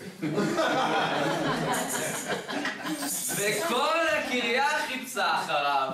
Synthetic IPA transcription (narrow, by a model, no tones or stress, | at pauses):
vekolekiʁjaχit͡saχaʁav